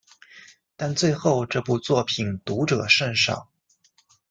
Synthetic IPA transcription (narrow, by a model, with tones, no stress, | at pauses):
t̪a˥˧nt͡swe˥˧ɪxo˥˧ʊʈ͡ʂɤ˥˧pu˥˧t͡swɔ˥˩pʰi˨˩nt̪u˧˥ʈ͡ʂɤ˨˩ʂə˥˧nʂɑ̰˥˩˦ŋ